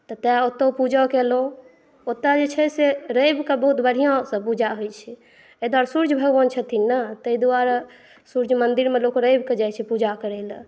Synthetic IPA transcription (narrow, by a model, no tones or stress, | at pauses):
t̪ɔt̪ɛot̪ːəpud͡ʒɔkelõ | ot̪ad͡ʒet͡ʃʰɛseɾəjbkebəɦut̪bəɽ̤ijãsəpud͡ʒaɦojt͡ʃʰɛ | əd̪waɾsuɾd͡ʒʱbʱəɡbənt͡ʃʰət̪ʰinːət̪əid̪uaɾ | suɾd͡ʒʱmənd̪iɾmelokɾəjbʱked͡ʒajt͡ʃʰɛpud͡ʒakəɾɛlə̃